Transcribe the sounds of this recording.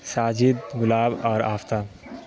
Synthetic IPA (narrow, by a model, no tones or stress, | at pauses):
saːd͡ʒɪd̪ɡʊlaːbɔːɾaːft̪aː